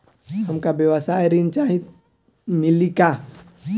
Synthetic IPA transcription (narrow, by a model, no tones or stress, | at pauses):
hɐmkabjəʋəsaːjɾint͡ʃaːɦit̪ | mɪlika